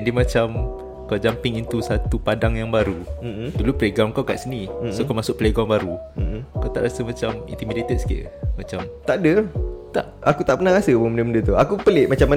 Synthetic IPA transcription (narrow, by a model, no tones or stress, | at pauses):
ndimãt͡ʃam | kawd͡ʒampɪŋint̪usat̪upadaŋjaŋbaɾudulupɾeɡamkawka̰ʔsənisokawmasʊk̚ʔ̚pəleɡɔŋbaɾuakawt̪a̰ʔɾasəmãt͡ʃamḭnt̪imidet̪ət̪̚skḛlmat͡ʃamt̪aʔdət̪a̰ʔakut̪aʔpənahɾasəbəməndəməndət̪uakupəlɪʔmat͡ʃamːa